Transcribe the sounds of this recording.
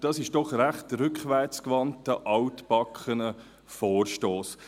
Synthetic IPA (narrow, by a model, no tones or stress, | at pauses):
d̥ɑːsɪʃd̥ɔχɾæχtɾʏkχʋɛɾt͡skvɑntəʔɑʊtpɑkχənə | foːɾʃtoːs